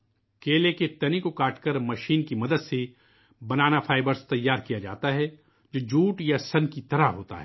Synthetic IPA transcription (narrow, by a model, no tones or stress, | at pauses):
keːleket̪ɐnikokaːʈkəɾmɐʃiːnkimɐd̪əd̪se | bɐnaːnafʰaːɪbəɾst̪ɐjːaːɾkijad͡ʒa̰ːt̪aɦɛ | d͡ʒoːd͡ʒuːʈjasɐnkit̪ɐɾaɦɦoːt̪a̰ɦɛː